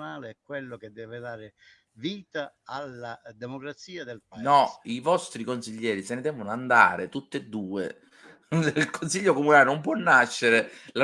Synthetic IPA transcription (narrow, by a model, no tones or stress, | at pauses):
naːleɛkːwelːoked̪ːɛːved̪aːɾe | viːt̪aalːad̪emokɾat̪siːad̪elpnɔivɔst̪ɾikonsiʎːɛːɾisenɪd̪ɛːvonoand̪a̰ːɾet̪ut̪ːed̪ːuːḛ | ilkonsiʎːokomunaːlenomp̬wɔnːaʃːeɾela